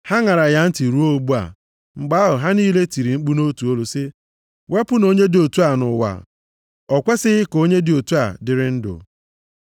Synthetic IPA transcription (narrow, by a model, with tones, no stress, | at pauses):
ha˦ŋa˨ɾa˨ja˦n̩˦ti˨ɾu˦o˦˨ɡ͡bu˦a̰˨ | ŋ͡m̩˨ɡ͡ba˦ɦʊ˨ɦa˦niː˦le˦ti˨ɾi˨ŋ͡m̩˦k͡pu˦no˦tu˨o˦lu˨sɪ˦ | we˦pʊ˦no˦ɲe˦dɪ˦o˨tu˦a˨nʊ˨wa̰˨ | ɔ˨kʷe˦sɪ˦ɣɪ˦ko˦ɲe˦dɪ˨o˨tu˦a̰˨dɪ˨ɾɪ˦n̩˦dʊ̰˨